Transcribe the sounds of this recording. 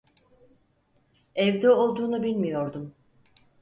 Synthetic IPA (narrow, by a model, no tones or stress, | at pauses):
ɛvd̪ɛolˠd̪uːnubilʲmijo̞ɾd̪un